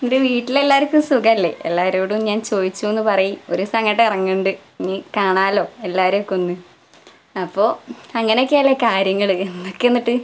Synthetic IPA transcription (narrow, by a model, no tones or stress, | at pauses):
niɾuʋiːʈːile̞lːaːɾkʲːumsukɐɐlːe̞̰ʔḛlːaːɐɾoːɽumɲaːnt͡ɕo̞ːðit͡ɕːuenːɨpɐrɐjio̞ɾusɐŋːɐʈːeirɐɲːuɳɖɨnikaːɳaːlo̞ːe̞lːaːɾokːonːɨ | ɐpːo̞ːɐŋːɐnejokːeɐlːɐkaːɾjɐŋːɐɭɨenːokːenːiʈːɨ